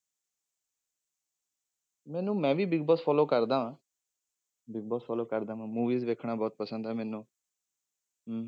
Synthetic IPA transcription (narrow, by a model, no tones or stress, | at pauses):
mɛ̃ːnũːmɛ̃ːʋiːbɪɡ̚bɔːspʰɔːloːkəɾd̪ãːãː | bɪɡ̚bɔːspʰɔːloːkəɾd̪ãːʋãːmuːʋiːzʋeːkʰɳaːbɔːt̪̚pəsə̃nd̪ɦɛːmɛ̃ːnũː